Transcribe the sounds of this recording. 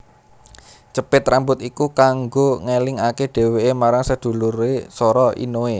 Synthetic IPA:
t͡ʃəpɪt̪rambʊt̪ikukaŋɡoŋelɪŋakeɖ̥e̤weemaɾaŋsəd̪̥ṳluɾesɔɾɔʔḭnoe

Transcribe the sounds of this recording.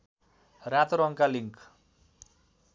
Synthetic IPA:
rat̪ɾʌŋkaliŋk

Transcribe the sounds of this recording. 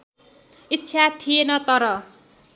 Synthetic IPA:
itːsʰat̪ʰijenʌt̪ʌɾʌ

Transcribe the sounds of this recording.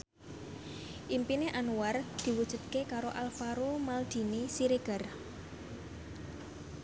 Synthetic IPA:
ʔimpineʔanuward̪̥i̤wud̥ʒ̥ṳd̪̚kekaɾoʔalfaɾomald̪̥i̤nisiɾeɡ̥ə̤r

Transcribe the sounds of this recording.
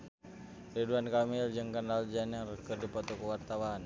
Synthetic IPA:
riduankamild͡ʒəŋkəndald͡ʒanərkərdipɔt̪ɔkəwart̪awan

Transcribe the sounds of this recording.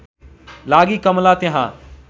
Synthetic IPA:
laːɡiːkəmlaːt̪eɦã̰ː

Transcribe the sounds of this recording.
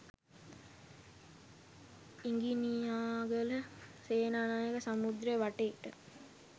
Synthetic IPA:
iŋɡinijaːɡələseːnaːnaːjəkəsamud̪ɾəjəʋaʈeʈə

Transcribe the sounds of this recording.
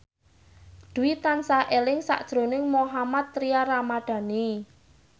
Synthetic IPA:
d̪̥ṳwit̪ansaʔelɪŋsa̰ʔd̥ʒ̥ɾo̤nɪŋmoɦamat̪ːɾiaramaɖ̪̥ä̤ni

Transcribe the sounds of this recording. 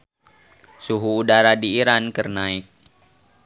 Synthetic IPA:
suɦuːdaɾadiːɾankərnaik̚

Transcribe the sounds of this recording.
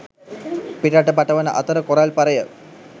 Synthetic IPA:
piʈaʈəpaʈəʋənəʔat̪əɾəkoɾalpaɾəjə

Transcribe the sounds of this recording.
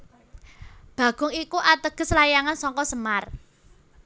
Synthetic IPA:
b̥ä̤ɡ̥ʊ̤ŋikuʔat̪əɡ̥ə̤slajaŋansɔŋkɔsəmar

